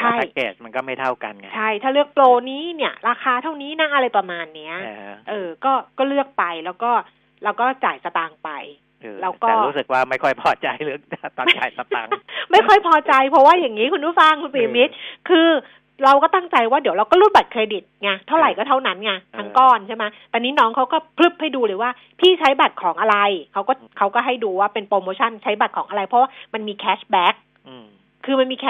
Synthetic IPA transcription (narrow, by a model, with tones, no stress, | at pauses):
t͡ɕʰa˧˩˥a˧kḛː˨˩s̚ma˧nkɔː˥˩ma˥˩jt̪ʰa˥˩wka˧nka˦t͡ɕʰa˥˩jt̪ʰaː˥˩lɯ˥˩ək̚ploː˧niː˦˥˩ni˥˩ɐɾaː˧xʰaː˧t̪ʰa˥˩wniː˦˥na˦˥ʔa˧ɾa˧jpɾa˧maː˧nːi˦˥ɐʔɤː˧kɔː˥˩kɔː˥˩lɯ˥˩ək̚pa˧jlɛː˦˥wkɔː˥˩ | ɾa˧wkɔː˥˩t͡ɕa̰ː˨˩jsa˧t̪aː˧ŋpa̰˧j | ʔːlɛː˦˥kɔː˨˧˥ɾuː˦˥sɯ˨˩k̚waː˥˩ma˥˩jkʰɔ˥˩jpʰɔː˧˩t͡ɕa˧jlɯ˥˩ək̚a˦˥t̪ɔː˧˦nt͡ɕa̰ː˨˩jsa˧ta̰˧˥ŋma˥˩jkʰɔ˥˩jpʰɔː˧t͡ɕa˧jpʰɾɔ˦˥waː˥˩ja˨˩ŋːiː˦˥kʰu˧nɾu˦˥˩fa˧ŋkʰu˧nsiː˨˦mi˦˥t̪̚kʰɯː˧ | ɾa˧wkɔː˥˩t̪a˥˩ŋt͡ɕa˧jwaː˥˩di˩˦wɾa˧wkɔː˥˩ɾuː˥˩ba˨˩t̪̚kʰɾeː˧di˨˩t̪̚ŋa˧t̪ʰa˥˩wɾa˨˩jkɔː˥˩t̪ʰa˥˩wna˦˥nŋa˧t̪ʰa˦˥ŋkɔː˥˩nt͡ɕʰa˥˩ma˦˥t̪ɛː˧˩niː˦˥nɔː˦˥ŋkʰa˦˥wkɔː˥˩pʰlɯ˦˥˩p̚ha˥˩jduː˧ɾɤː˧˩˦waː˥˩ | pʰiː˥˩t͡ɕʰa˦˥jba˨˩t̪̚kʰɔː˩˦ŋʔa˧ɾa˧jkʰa˦˥wkɔː˥˩kʰa˦˥wkɔː˥˩ɦa˥˩jduː˧waː˥˩pe˧npɾoː˧moː˧t͡ɕʰa˥˩nt͡ɕʰa˦˥jba˨˩t̪̚kʰɔː˩˦ŋʔa˧ɾa˧jpʰɔ˦˥waː˥˩ma˧nmiː˧kʰɛː˦˥sbɛː˦˥k̚ʰː | ɯː˧ma˧nmiː˧kʰː